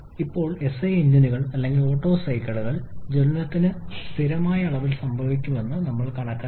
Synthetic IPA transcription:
ipːo̞ːɭe̞seːind̪ɐnuɣɐɭɐlːe̞ŋɡilo̞ːʈːo̞ːsɐjkːɐɭuɣɐɭd͡ʑenunɐt̪ːinɨst̪ʰiɾɐmaːjɐːɭɐʋilsɐmbʱɐʋikʲːume̞nːɨnɐmːɐɭkɐɳɐkːɐ

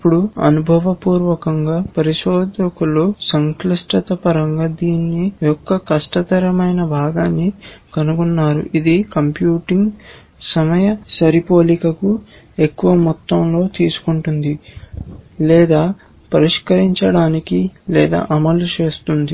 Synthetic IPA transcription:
ipːuɽuɐ̰nubʱɐʋɐpuːɾʋɐkɐŋɡaːpɐɾiʃɔːd̪ɐkulusɐŋklɐʂʈɐt̪ɐpɐɾɐŋɡaːd̪iːnːijɔkːɐkɐʂʈɐt̪ɐɾɐmɐjnɐbʱaːɡaːnːikɐnuɡunːaːɾṵʔid̪ikɐmpjuːʈiŋɡ | sɐmɐjɐsɐɾipo̞ːlikɐku | e̞kːuʋɐmut̪ːɐmlo̞ːt̪iːsu̥kuɳʈund̪i | lɛːd̪aː | pɐɾiʂkɐɾiɲt͡ʃɐɽaːnikilɛːd̪a̰ːʔɐmɐlut͡ʃe̞ːst̪und̪i

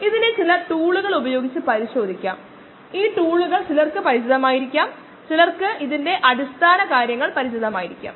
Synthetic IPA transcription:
iðinɨt͡ɕilɐʈuːɭuɣɐɭubɐjo̞ːɡit͡ɕːɨpɐɾiɕo̞ːd̪ʱikʲːa̰ːm | iːʈuːɭuɣɐɭt͡ɕilɐrkɨpɐɾit͡ɕiðɐmaːjiɾikʲːaːm | t͡ɕilɐrkɨʔiðinde̞ʔɐɽist̪ʰaːnɐkaːɾjɐŋːɐɭpɐɾit͡ɕiðɐmaːjiɾikʲːa̰ːm

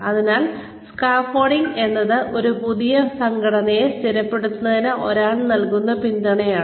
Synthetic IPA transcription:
ɐðinaːl | skaːfoːɽiŋɡe̞nːɐðɨʔo̞ɾupuðijɐsɐŋɡʱɐɽɐnɐjest̪iɾɐpːe̞ɽut̪ːunːɐðinɨʔo̞̰ɾaːɭnɐlkunːɐpind̪ɐɳɐjaːɳɨ

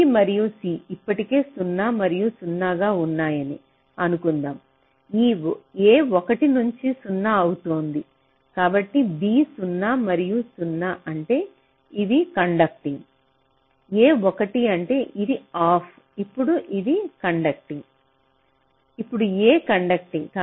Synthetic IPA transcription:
imɐɾijusiːipːɐʈike̞ːsunːaːmɐɾijusunːaːɡaːunːaːjɐnḭ | ɐnukund̪aːm | iːeːɔkɐʈinuɲt͡ʃisunːɐɐwut̪oːnd̪i | kaːbɐʈːibiːsunːaːmɐɾijusunːaʔɐɳʈe̞ː | iʋ̪ikɐɳɖɐk̚ʈiŋ | eːɔkɐʈiɐɳʈe̞ːʔid̪iaːpʰ | ipːuɽuʔid̪ikɐɳɖɐk̚ʈiŋ | ipːuɽueːkɐɳɖɐk̚ʈiŋ

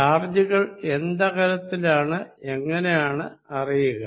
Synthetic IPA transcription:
aːrd͡ʑuɣɐɭe̞nd̪ɐɣɐɾɐt̪ːilaːɳɨe̞ŋːɐnejaːɳɨɐrijuɣɐ

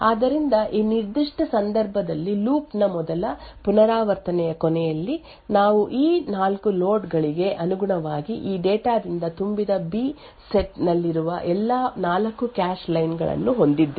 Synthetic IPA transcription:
aːd̪ɐɾind̪ɐʔiːniɾd̪iʂʈɐsɐnd̪ɐɾbʱɐd̪ɐlːiluːpnɐmɔd̪ɐlɐpunɐɾaːʋɐɾt̪ɐnɛjɐkɔnɛjɐlːi | naːʋuʔiːnaːlkulo̞ːɖɡɐɭiɡe̞ʔɐnuɡuɳɐʋaːɡiʔiːɖeːʈaːd̪ind̪ɐt̪umbid̪ɐbiː | seʈnɐlːiɾuʋɐ̰ʔɛlːaːnaːlɐkːukaːʃlɐjnɡɐ̰ɭɐ̰nːuɦo̞nd̪id̪ːe

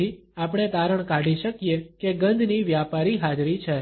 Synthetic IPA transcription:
iapɳ̃et̪aɾəɳ̃kaɖiʃəkijekeɡə̃nd̪ʱniʋjapaɾiɦad͡ʒɾit͡ʃʰe

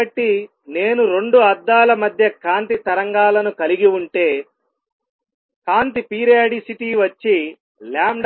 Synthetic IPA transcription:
ɐʈːi | ne̞ːnuɾe̞ɳɖuɐd̪ːaːlɐmɐd̪ʱjɐkaːnt̪it̪ɐɾɐŋɡaːlɐnukɐliɡiuɳʈe̞ː | kaːnt̪ipiːɾijaːɖisiʈiːʋɐt͡ʃːi | laːmɖ

